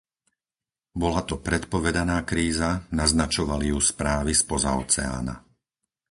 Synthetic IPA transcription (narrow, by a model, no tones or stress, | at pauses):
bɔlat̪ɔpɾɛt̪pɔʋɛd̪anaːkɾiːzanaznat͡ʃɔʋalijuspɾaːʋispɔzaɔ̰t͡sɛa̰ːna̰